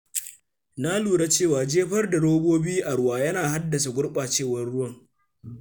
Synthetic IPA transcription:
na˦luː˨ɽa˦t͡ʃeː˦˨waː˨d͡ʒeː˦ɸɐ˦rda˨ɽoː˦boː˦biː˦ʔa˨ɽʊ˦waː˨jɐ˦naː˨ha˦dːɐ˨s̬a˨ɡʷʊ˦ɽɓaː˨t͡ʃeː˦˨wɐ˦rɽʊ˦wɐ˦˨ŋ

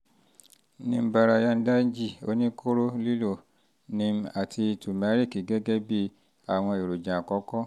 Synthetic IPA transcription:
nĩ˧m̩˦ba˧ɾa˨ja˧n̩˦da˦n˦d͡ʒi˦˨o̰˦nĩ˦kʰo˦ɾo˦li˦lo˦˨ | nĩ˧m˦a˨ti˧tu˨mɛ˨˦ɾi˦˨ki˨ɡɛ˦ɡɛ˦bi˦ | a˨w̃ɔ̃˧e˨ɾo˨d͡ʒã˨kɔ˨˦kɔ˦

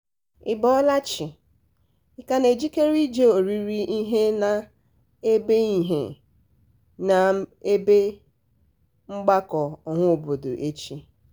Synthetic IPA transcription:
ɪ˨bɔ˦ɔ˦la˦t͡ʃi˨ | ɪ˨ka˨ne˨d͡ʒi˦ke˦ɾi˦d͡ʒe˦o˨ɾi˦ɾi˦ʔi˦ɦe˦na˨ | e˦be˦i˦ɦḛ˨ | na˨e˦be˦ | ŋ͡m̩˦ɡ͡ba˦kɔ˨ɔ˨ŋʷʊ˦o˨bo˨do̰˨ʔe˦t͡ʃi˦

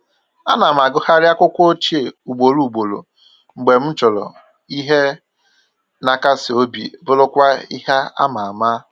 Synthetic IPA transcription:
a˦na˨m˨a˨ɡʊ˦ha˦ɾɪ˦a˦kʷʊ˦kʷo˦t͡ʃe˨u˨ɡ͡bo˨lu˦u˨ɡ͡bo˨lo̰˨ | ŋ͡m̩˨ɡ͡be˨m̩˦t͡ʃɔ˨lɔ̰˨ | i˦ɦe˦ | na˨ka˦sɪ˨o˦bḭ˨bʊ˦lʊ˦kʷa˦i˦ha˦a̰˦ma˨a˨ma˦

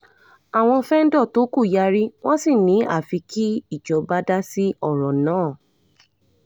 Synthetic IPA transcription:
a˨w̃ɔ̃˧fɛ˦n̩˦dɔ˦˨to˨˦ku˦˨ja˨˧ɾi˦w̃ɔ̃˦si˦˨nĩ˨˦a̰˦˨fi˨˧˦kʰi˦i˦˨d͡ʒɔ˨˦ba˦da˦si˦ɔ˦˨ɾɔ̃˨nãː˨˦˨

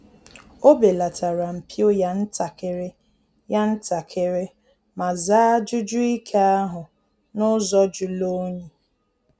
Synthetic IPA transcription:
o˦be˨la˨tʰa˨ɾa˨m̩˨pjo˦ja˦n̩˦ta˨kɪ˨ɾɪ˦ | ja˦n̩˦ta˨kʰɪ˨ɾɪ˦ | ma˨zaː˦d͡ʒʊ˦d͡ʒʊ˦i˦kʰe˦a˦ɦʊ˨ | nʊ˦zɔ˦d͡ʒʊ˨lo˦ɲe˨

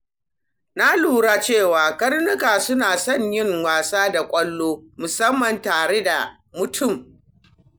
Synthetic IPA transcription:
na˦luː˦ɽaː˦t͡ʃeː˦˨waː˨kɐ˦rnʊ˦kaː˨sʊ˦naː˨sɔ˦˨ɲjɪ˦ŋwaː˨saː˦da˨kʷʼɐ˦lːoː˦mʊ˨sɐ˦mːɐ˨ntaː˨ɽe˦da˨ | mʊ˨tʰʊ˦˨m

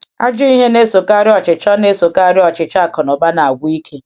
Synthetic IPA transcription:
a̰˦d͡ʒʊ˦i˦ɦe˦ne˦so˨ka˦ɾɪ˦ɔ˨t͡ʃɪ˨t͡ʃɔ˦ne˦so˨ka˦ɾɪ˦ɔ˨t͡ʃɪ˨t͡ʃa˦˨kɔ˨nɔ˨ba˦na˨a˨ɡʷu˦i˦kʰe˦

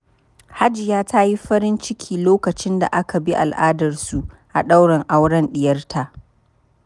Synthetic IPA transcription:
ha˦d͡ʒɪ˨jaː˦tʰa˦ji˦ɸɐ˦ɾɪ˦nt͡ʃɪ˦kʲʰiː˨loː˦kɐ˨t͡ʃɪ˦nda̰˨ʔa˦ka˨bi˦ʔa̰˨lʔaː˦dɐ˨rsu˨ʔ | ʔa̰˨ɗa˦wɽɐ˨ŋʔa˦wɽɐ˦nɗɪ˦jɐ˦rtʰa˦ʔ

